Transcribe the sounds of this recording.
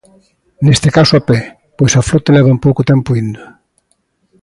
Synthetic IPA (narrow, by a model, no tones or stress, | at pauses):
nest̪ekasʊapɛ | pojsɐflɔt̪elɛβ̞ɐmpowkʊt̪ɛmpʊind̪o